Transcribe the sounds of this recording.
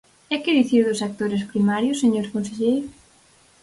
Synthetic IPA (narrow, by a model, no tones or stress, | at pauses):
ɛkɪðiθiɾðʊsak̚t̪oɾɪspɾimaɾjʊsːeɲoɾkonseʎejɾʊ